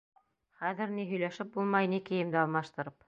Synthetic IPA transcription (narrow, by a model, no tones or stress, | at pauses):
χæðɘ̆ɾniɦɵ̆jlæʃɘp̚bulˠmɑjnikɘ̆jɘ̆md̪ɘɑlˠmɑʃt̪ɤ̆ɾɤp